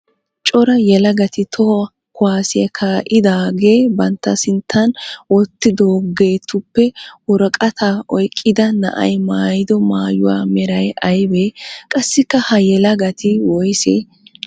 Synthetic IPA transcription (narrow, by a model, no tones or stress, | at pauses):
t͡ʃʼɔɾɐjɛlɐɡɐt̪ɪt̪ʰɔ | kʊwaːsɪɐkʰaːʔɪd̪aːɡeːbɐnt̪ːɐsɪnt̪ʰːɐnwɔt̪ːɪd̪oːɡe̞ːt̪ʊpːɛwɔɾɔkʼɐt̪ʰaʔɔjkʼːɪd̪ɐnɐ̰ʔɐ̰jmaːjɪd̪ɔmaːjʊwaːmɛɾɐjʔɐjbeːkʼɐsːɪkːɐhɐjɛlɐɡɐt̪ɪwɔjsḛː